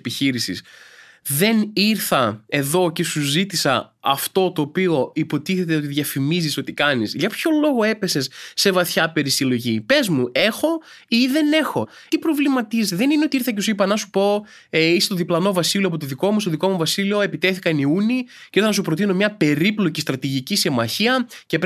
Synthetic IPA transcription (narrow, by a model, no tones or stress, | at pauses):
piçiɾisḭs | ðe̞niɾθɐe̞ðo̞ce̞suzit̪isɐ̰ɐft̪o̞t̪o̞ːpio̞ipo̞t̪iθe̞t̪eot̪iðʝɐfimiziso̞t̪ikɐnisʝɐpço̞lo̞ɣo̞e̞pe̞se̞sːe̞vɐθçɐpe̞ɾisilo̞ʝipe̞zmuʔe̞xo̞ | iðe̞ne̞xo̞ | t̪ipɾo̞vlimɐt̪izet̪eðe̞nineot̪iiɾθɐcesuipɐnɐsupo̞ | eisest̪oðiplɐno̞vɐsilioɐpot̪oðiko̞must̪oðiko̞muvɐsilio̞e̞pit̪e̞θikɐniuniceiɾθɐnɐsupɾot̪ino̞mɲɐpe̞ɾiplo̞cist̪ɾɐt̪iʝicisimɐçiɐcep